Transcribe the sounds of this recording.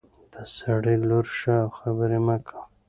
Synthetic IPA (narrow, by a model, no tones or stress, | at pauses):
d̪̥asaɽiloɾʃawxabəɾemakʰḁw